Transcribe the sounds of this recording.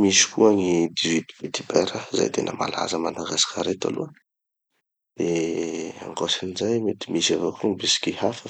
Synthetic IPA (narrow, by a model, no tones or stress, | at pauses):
misi̥kuaŋid̪izit̪i̥bet̪ibɛɾəza̰jt̪ʰenʔəma̰la̰zəmanaɡasḁkaɾet̪a̰lṵə | d̪̥e | a̰ŋɡosinizajmet̪i̥misavokʰuŋbesi̥kʲihafə